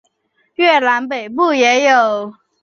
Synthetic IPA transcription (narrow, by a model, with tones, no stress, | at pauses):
ɥɛ˥˩la˧˥npe˨˩ɪp̬u˥˩jɛ˧˥jo˨˩ʊ